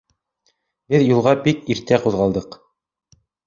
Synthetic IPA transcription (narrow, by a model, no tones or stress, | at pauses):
bɘðjulˠʁɑbikiɾt̪æquðʁɑlˠd̪ɤq